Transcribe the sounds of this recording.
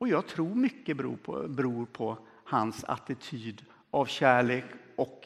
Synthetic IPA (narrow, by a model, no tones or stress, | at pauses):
ɔjɑːɡ̚t̪ʰɾuːɾmʏkːəbɾṵːpʰɔ̰bɛɾuːɾpʰɔ | hansa̰t̪ɪt̪ʰyːd̪ | ʔavɕæːɭeːkɔk